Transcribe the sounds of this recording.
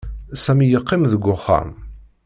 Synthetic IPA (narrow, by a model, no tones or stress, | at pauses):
sæmijəqːɪmðəɡʷːʊχːa̰m